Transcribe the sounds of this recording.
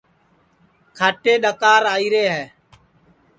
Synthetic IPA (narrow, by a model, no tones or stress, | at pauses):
kʰaːʈeːɗəkaːɾaːiːɾeːɦɛː